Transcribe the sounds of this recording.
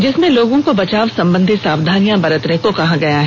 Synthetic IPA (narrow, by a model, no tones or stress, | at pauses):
d͡ʒɪsmẽloːɡõkobɐt͡ʃaːʋsɐ̃mbə̃nd̪ʱit̪saːʋd̪ʱaːnijãbɐɾət̪nekokɐɦãɡɐjaɦɛ